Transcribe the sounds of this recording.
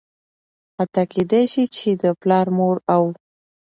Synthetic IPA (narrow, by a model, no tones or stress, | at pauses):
hat̪ɑked̪ajʃit͡ʃed̪əplɑɾmoɾaw